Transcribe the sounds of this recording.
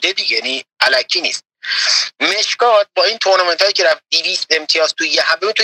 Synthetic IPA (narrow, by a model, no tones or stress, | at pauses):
d̪ed̪iɟejniʔælækʰiːnḭːst̪̚ | me̞ʃkɒːt̪̚bɒːiːnt̪ʰoɾnɑment̪ɒːjiːcʰeɾæft̪̚d̪iviːst̪e̞mt̪ʰijɒːzt̪ʰujeɦæmbemit̪ʰu